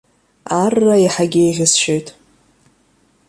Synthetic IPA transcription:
arːaiħaɡʲejʁʲɪsʃojtʼ

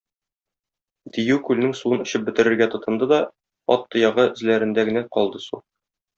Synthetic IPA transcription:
d̪ijʉkʉlnɘŋsuɤnɵ̆ɕɘp̚bɘ̆t̪ɘ̆ɾɘ̆ɾɡæt̪ŏt̪ɤ̆nd̪ɤd̪ɒ | ɒ̰t̪ːɤ̆jɑʁɤɵ̆zlæɾɘ̆nd̪æɡɘ̆næqɒlˠd̪ɤsu

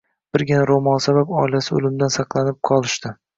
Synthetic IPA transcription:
b̥ɪɾɡʲɪnaɾomɒnsabapɒɪlasɪʊ̰lɪmd̪ansɑqlˠanɪp̚qʰɒlˠɪʃt̪ɪ

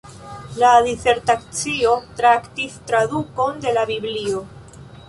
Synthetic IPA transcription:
ladise̞ɾtakt͡sio̞tɾaktistɾaduko̞nde̞labiblio̞

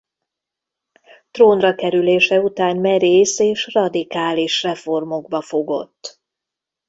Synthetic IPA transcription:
t̪roːnrɒkɛɾyleːʃɛut̪aːnmɛɾeːseːʃrɒd̪ikaːliʃrɛfo̞rmo̞ɡbɒfo̞ɡo̞̰t̪ː

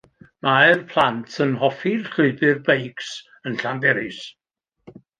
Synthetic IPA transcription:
majrpʰlˠantʰənɦɔfirɬʊɨbɪrbejks | ənɬanbɛɾɪs

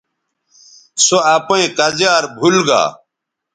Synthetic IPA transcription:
soapẽːkɐzjaːɾbʱulɡa̰ː

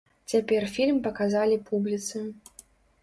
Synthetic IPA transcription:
t͡sʲapʲɛrfʲilʲmpɐkazalʲipublʲit̪sɨ

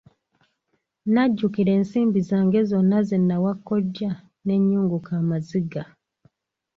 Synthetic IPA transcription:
naɟːukiɾe̞ːnsiːmbizaːŋɡe̞zonːazenːawakːoɟːa | ne̞ɲːuːŋɡukaːmaziɡa

